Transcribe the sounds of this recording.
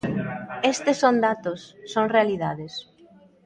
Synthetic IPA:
est̪esːond̪at̪osːoŋrealiðaðes

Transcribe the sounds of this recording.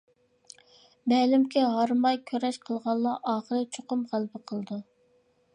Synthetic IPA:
bɛlɪmkʲʰɛɦɑɾmɑjkʲʰøɾɛʃqʰəlˠʁɑlˠːɑʔɑːχəɾɨt͡ʃʰoqʊmʁælbɪqʰəlˠd̪u

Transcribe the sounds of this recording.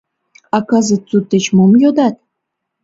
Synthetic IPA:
ɑkɑzət̪t͡sut̪ːĕt͡ɕmomjod̪ɑt̪̚

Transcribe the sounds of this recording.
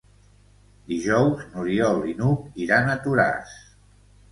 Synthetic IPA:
d̪iʒɔwznuɾiɔlinukiɾanət̪uɾa̰s

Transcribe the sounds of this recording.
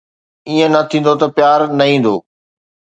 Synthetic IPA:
iːə̃nɐt̪ʰĩːn̆d̪ot̪ɐpjaːɾnɐɦĩːn̆d̪oː

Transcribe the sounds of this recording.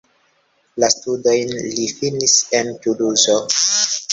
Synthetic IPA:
lastudo̞jnlifinise̞ntuluzo

